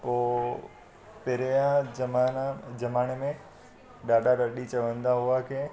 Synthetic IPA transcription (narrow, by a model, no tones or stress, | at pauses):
poː | peɾeãmad͡ʑɐmaːnemẽ | ɗaːɖaɾɐɗit͡ɕɐʋə̃nd̪aɦʊuakʰe